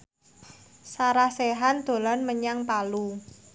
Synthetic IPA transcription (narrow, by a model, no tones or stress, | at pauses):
saɾahseɦand̪̥o̤lɔnməɲaŋpalu